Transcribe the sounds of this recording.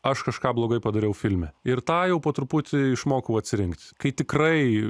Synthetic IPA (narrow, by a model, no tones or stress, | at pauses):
ɐʃkɐʃkɑːblˠoːɡɐɪpɐd̪ɐɾʲɛʊfʲɪlʲmʲɛɪrt̪ɑːjɛʊpoːt̪ɾʊpʊt̪ʲɪɪʃmoːkɐʊɐt̪ʲsʲɪɾʲɪŋkt̪ʲkɐɪt̪ʲɪkrɐɪ